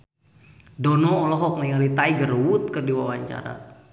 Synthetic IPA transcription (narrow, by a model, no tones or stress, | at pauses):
dɔnɔːlɔɦɔk̚najalit̪aiɡərwut̪̚kərdiwawaɲt͡ʃa̰ɾa̰